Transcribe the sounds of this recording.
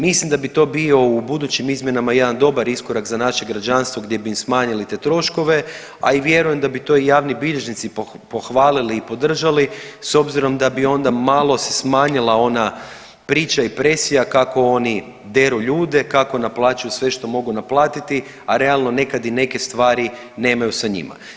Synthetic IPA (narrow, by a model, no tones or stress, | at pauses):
mislˠimd̪abit̪o̞ːbio̞ubud̪ut͡ɕimizmje̞namaje̞d̪and̪o̞baɾiskoɾakzanaʃe̞ɡɾad͡ʑanst̪ʋo̞ɡd̪je̞biːmsmaːɲilit̪e̞t̪ɾo̞ʃko̞ʋe̞ | a̰iʋje̞ɾuje̞md̪abit̪o̞ːijaːʋnibiʎe̞ʒnit̪sip | poxʋaːliliːpo̞d̪r̩ʒaliso̞bziɾo̞md̪abio̞nd̪amaːlˠo̞se̥smaːɲilˠao̞na | pɾiːt͡ʃaipɾe̞sijakako̞o̞ni | d̪e̞ɾuʎuːd̪e̞kako̞naplˠaːt͡ʃujusʋe̞ʃt̪o̞mo̞ɡunaplˠaːt̪it̪i | aɾe̞alˠno̞ne̞kad̪ine̞ke̞st̪ʋaːɾi | ne̞ːmajusaɲḭma̰